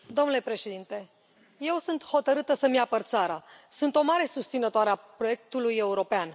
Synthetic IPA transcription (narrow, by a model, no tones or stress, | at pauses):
d̪o̞mnule̞pɾe̞ʃe̞d̪int̪e̞ | je̞wsunt̪ho̞t̪əɾɨt̪əsəmiapərt̪saɾasunt̪o̞maɾe̞sust̪sinət̪oaɾeapɾo̞je̞k̚t̪uluje̞uɾo̞pean